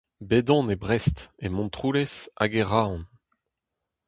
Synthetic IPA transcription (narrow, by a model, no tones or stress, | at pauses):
bed̪ɔ̃nebʁɛst̪emɔ̃nt̪χuːlɛsa̰ɡeʁaːɔ̃n